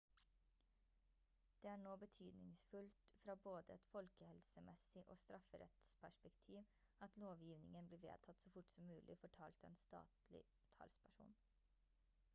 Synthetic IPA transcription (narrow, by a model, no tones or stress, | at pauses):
d̪̥eːæːɳoːbət̪ʰyːd̪nɪ̰ŋsfʉlt̪fɾɑːboːd̪əɛt̪fɔlkəhɛlsəmʔɛsɪʔoːst̪ɾʔɑfəɾɛ̰t̪spʰæʂpɛkt̪ʰiːʋ | ɑt̪loːʋjiːʋnɪŋənbliːʋḛːt̪ʰɑt̪soːfʊʈsɔmːʉːlʔɪ̰ofɔʈʰɑːlt̪ɛ̰ːnst̪ɑ̰ːt̪lɪ̰ | t̪ʰɑ̰lspʰæʂṵːn